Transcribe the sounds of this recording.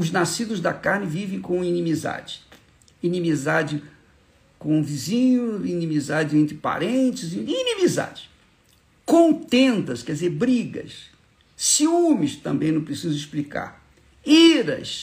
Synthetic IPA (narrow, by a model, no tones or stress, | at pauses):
ʊznasid̪ʊzd̪ɐkaɾnɪvivẽj̃kõinĩmiza̰d͡ʒɪ | inĩmizad͡ʒɪ | kõvizĩɲʊinĩmizad͡ʒɪẽnt̪ɾɪpa̰ɾẽnt͡ʃɪziinĩmiza̰d͡ʒɪ̥ | kõnt̪ẽnt̪ɐskɛd͡ʒɪzeɾbɾiɡɐ̰s | siũmɪst̪ɐ̰̃mbẽj̃nɐ̃pɾesizʊisplika̰ɾ | iɾɐ̰s